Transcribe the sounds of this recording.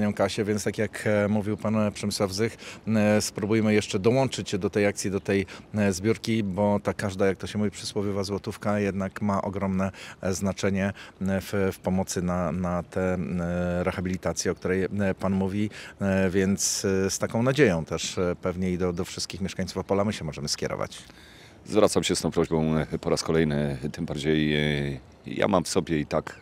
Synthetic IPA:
ɲɔ̃w̃kaɕɛvʲjɛnst̪akʲjakmuvʲiwpanpʂɛmɘswavzɘxspɾubujmɘjɛʂt͡ʂɛd̪ɔwɔnt͡ʂɘt͡ɕɛd̪ɔt̪ɛjak̚t̪sʲjid̪ɔt̪ɛjzbʲjuɾkʲibɔt̪akaʐd̪ajak̚t̪ɔɕɛmuvʲipʂɨswɔvʲivazwɔt̪ufkajɛd̪nakmaʔɔɡɾɔmnɛznat͡ʂɛɲɛffpɔmɔt̪sɘnanat̪ɛ | ɾɛxabʲilʲit̪at̪sʲjɛɔk̚t̪uɾɛjpanmuvʲivʲjɛnt̪sst̪akɔ̃w̃nad͡ʑejɔ̃w̃t̪ɛʂpɛvɲɛid̪ɔd̪ɔfʂɘ̥st̪kʲixmʲɛʂkaɲ̃t̪sufapɔlamɘɕɛmɔʐɛmɘskʲɛɾɔ̰va̰t͡ɕ | zvɾat̪samɕɛst̪ɔ̃w̃pɾɔʑbɔ̃w̃pɔɾaskɔlɛjnɘt̪ɘmbaɾd͡ʑej | ja̰mamfsɔbʲjɛit̪ak

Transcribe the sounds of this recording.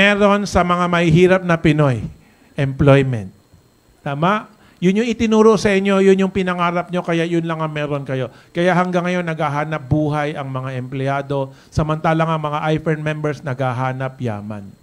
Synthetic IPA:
mɛɾo̞nsɐmɐŋamɐhiɦiːɾɐp̚nɐpɪno̞j | ʔɛmplojmɛ̰nt̪̚ː | aːmaʔ | jʊnjʊŋɪt̪ɪnuːɾoʔsɐʔɪɲjo̞jʊnjʊŋpɪnɐŋaːɾɐp̚ɲo̞kɐjaʔjʊnlɐŋɐmɛːɾo̞nkɐjo̞kɐjaʔɦɐŋɡaŋːɐjo̞nːɐɡaɦaːnɐp̚buːɦɐjʔɐŋmɐŋaʔɛmplɪaːd̪o̞ | sɐmɐnt̪aːlɐŋɐŋmɐŋaʔajfɛɹnmɛmbɛɹsnɐɡaɦaːnɐpja̰ːma̰n

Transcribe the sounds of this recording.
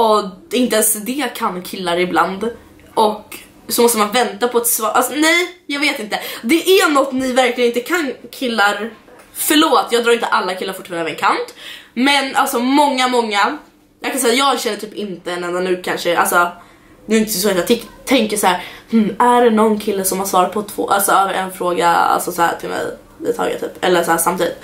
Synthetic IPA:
ɔɪnt̪əɛnsd̪ɛkʰanːkʰɪlːaɾɪbland̪ | ʔɔk | sɔmɔst̪əmanvɛnt̪apʰɔat̪svɑːʔalsɔnɛjjɑːɡveːt̪ɪnt̪əd̪ɛʔænɔt̪ːnɪvæɾklɪənɪnt̪əkʰankʰɪlːaɾ | fœɭoːt̪jɑːɡd̪ɾɑːɾɪnt̪əʔalːakʰɪlːaɾfʊ̥ʈːfɛnavɛnkʰanp̪mɛna̰lsɔmɔŋːamɔŋːa | jɑːkʰansɛjajɑːɡɕɛnːəʈʰyːpɪnt̪əɛnɛnd̪anʉ̟ːkʰanʂəʔa̰lsɔ | d̪ɛɾɪnt̪əsɔsɔɛt̪jɑːt̪ɛt̪ʰɛŋkəʂhæːɾhm̩æɖɛnɔnːkʰɪlːəsɔmhaɾʂvɑːɾat̪̚pʰɔt̪ʰvo̰ːʔalsɔɑvɾʔɛnfɾoːɡa̰a̰lsɔsahæ̰ːt̪ʰɪlmɛ̰j | ɪ̰t̪ʰɑ̰ːɡə̰t̪ʰy̰ːpɛ̰lːəʂsɔhæːsamt̪iːd̪ɪt̪

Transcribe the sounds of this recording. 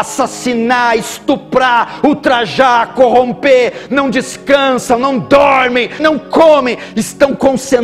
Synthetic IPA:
asasinaɪst̪upɾaut̪ɾaʒakoɦõmpenɐ̃w̃d͡ʒiskɐ̃sɐ̃w̃nɐ̃w̃d̪ɔɾmẽj̃nɐ̃w̃komẽj̃ | ɪst̪ɐ̃w̃kõsẽ

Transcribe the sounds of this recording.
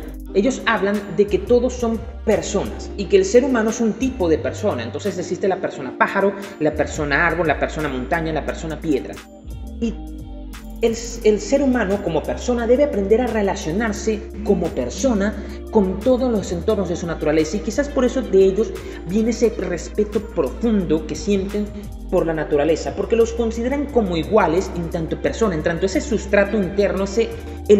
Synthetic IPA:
eʝo̞saβland̪e̞ke̞t̪o̞ðo̞sːo̞m | pe̞ɾso̞na̰sikeːlse̞ɾumãnoe̞sunt̪ipo̞ðe̞pe̞ɾso̞naḛnt̪o̞nse̞s̬eksist̪e̞lape̞ɾso̞napaxaɾo̞ | lape̞ɾso̞naaɾβolape̞ɾso̞namo̞nt̪aɲalape̞ɾso̞napje̞ðɾa̰ | i | elelse̞ɾumãno̞komo̞pe̞ɾso̞naðe̞βeapɾe̞nd̪eɾare̞lasjo̞naɾse̞ | ko̞mo̞pe̞ɾso̞na | ko̞nt̪o̞ð̞ozlose̞nt̪o̞ɾno̞zðe̞sunat̪uɾale̞saikisaspoɾe̞so̞ðe̞eʝo̞z | bje̞neese̞re̞spe̞t̪o̞pɾo̞fund̪o̞ke̞sje̞nt̪e̞n | po̞ɾlanat̪uɾale̞sapo̞ɾke̞lo̞sko̞nsið̞e̞ɾaŋko̞mo̞iɣwale̞sent̪ant̪o̞pe̞ɾsonaent̪ant̪oesesust̪ɾat̪o̞int̪e̞ɾno̞ese

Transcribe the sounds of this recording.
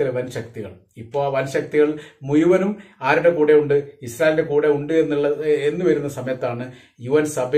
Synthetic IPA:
ileʋɐnɕɐk̚t̪iɣɐ̰ɭ | ipːo̞ːʋɐnɕɐk̚t̪iɣɐɭmujuʋɐnumaːɾuɽe̞kuːɽe̞uɳɖɨisɾaːjelde̞kuːɽe̞uɳɖɨe̞nːuɭːɐe̞nːɨʋɐɾunːɐsɐmɐjɐt̪ːaːɳɨ | juʋɐnsɐb

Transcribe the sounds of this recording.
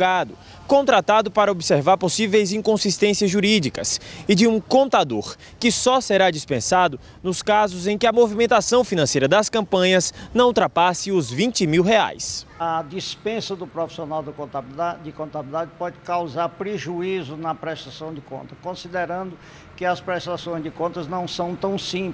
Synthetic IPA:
ɡad̪ʊ | kõnt̪ɾat̪ad̪ʊpaɾɐobiseɾvaɾposivejzĩkõsist̪ẽsiɐzʒuɾid͡ʒikɐsɪd͡ʒɪũkõnt̪ad̪oɾ | kɪsɔseɾad͡ʒispẽsad̪ʊ | nʊskazʊzẽj̃kɪɐmovimẽnt̪asɐ̃w̃finɐ̃sejɾɐd̪ɐskɐ̃mpɐ̃ɲɐznɐ̃w̃t̪ɾapasɪʊzvĩnt͡ʃɪmiwɦea̰jsɐd͡ʒispẽsɐd̪ʊpɾofi̥sionawd̪ɪkõnt̪abad̪ɪkõnt̪abilid̪ad͡ʒɪpɔd͡ʒɪkawzaɾpɾeʒuizʊnɐpɾɛst̪asɐ̃w̃d͡ʒ̪ɪkõ̰nt̪ɐkõsid̪eɾɐ̃nd̪ʊ | kɪɐspɾɛst̪asõj̃zd͡ʒɪkõnt̪ɐznɐ̃w̃sɐ̃w̃t̪ɐ̃w̃sĩp

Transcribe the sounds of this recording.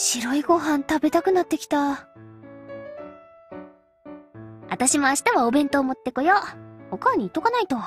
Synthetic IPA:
ɕiɾo̞iɡo̞ɦãnt̪abe̞t̪akɯ̟nat̪ːe̞kʲi̥t̪a | a̰t̪aɕimo̞aɕi̥t̪aβaobẽ̞nt̪o̞ːmo̞t̪ːe̞ko̞johokaːɲ̟iːt̪ːokanait̪o̞

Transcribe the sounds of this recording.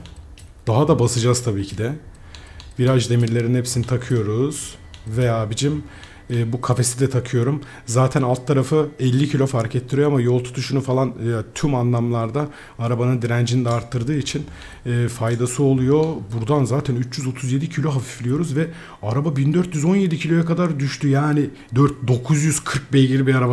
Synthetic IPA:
d̪̥aɦad̪abasɯd͡ʒazt̪ʰabiːcʰid̪ɛ | viɾad͡ʒd̪e̞miɾlʲe̞ɾinhepsinit̪ʰakʰɯjo̞ɾuz̥ | ve̞jaːbid͡ʒimː | bukʰafe̞sid̪ɛt̪ʰakʰɯjo̞ɾum | zaːt̪ʰænalˠt̪ʰːaɾafɯɛlʲːicʰilʲo̞faɾkɛt̪ʰːiɾijoamajo̞lˠt̪ʰu̥t̪ʰuʃunufalˠanjat̪ʰymanlˠamlˠaɾd̪a | aɾabanɯnd̪iɾænd͡ʒinid̪ɛaɾt̪ʰːɯɾd̪ɯːit͡ʃʰinː | fajd̪asɯo̞lˠujo̞buɾd̪anzaːt̪ʰænyt͡ʃjyzot̪ʰuzje̞d̪icʰilʲo̞ɦafi̥flʲijo̞ɾuzvɛ | aɾababind̪øɾt̪jyzo̞nje̞d̪icʰilʲojakad̪aɾd̪yʃt̪yjaːnɪ | d̪øɾt̪̚d̪o̞kʰuzjyz̥kʰɯɾk̚bɛjɟʲiɾibiaɾaba

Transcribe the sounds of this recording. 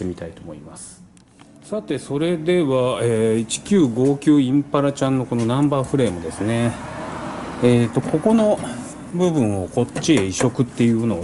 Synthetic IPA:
emʲit̪ait̪oːmo̞imasɨ̥ | sat̪e̞so̞ɾe̞d̪e̞βaeːit͡ɕi̥kʲɨːɡo̞ːkʲɨːĩmpaɾat͡ɕãnːo̞ko̞no̞nãmbaːɸɯ̟ɾe̞ːmod̪e̞sɨne̞ | eːt̪ːo̞ko̞ko̞no̞ | bɯ̟bɯ̟̃ɰ̃o̞ko̞t͡ɕːieiɕo̞kɯ̟t̪ːe̞jɯ̟ːno

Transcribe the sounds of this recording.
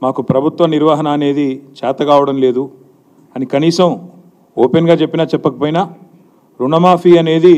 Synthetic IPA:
maːkupɾɐbʱut̪ʋɐniɾʋaːɦɐnɐːne̞ːd̪it͡ʃaːt̪ɐɡaːʋɐɽɐmle̞ːd̪u | ɐnikɐniːsɐm | oːpenɡaːt͡ʃepːinaːt͡ʃɛpːɐkɐpoːjna | ɾuɳɐmaːpʰiːɐne̞ːd̪i

